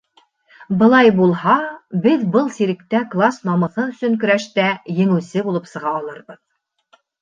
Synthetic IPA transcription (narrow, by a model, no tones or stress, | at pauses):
bɤ̆lˠɑjbulˠhɑbɘðbɤlˠsiɾɘ̆k̚t̪æklˠasnɒmɤ̆θɤɵ̆sɵŋkɵ̆ɾæʃt̪æjɘ̆ŋɘ̆wsɘbulˠɤp̪sɤ̆ʁɑːlˠɤɾbɤð